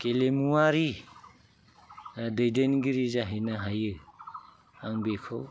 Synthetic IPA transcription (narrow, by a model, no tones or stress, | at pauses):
kelemuaɾi | dejdenɡiɾizaɦajnaɦajɯ | aŋbekʰɔw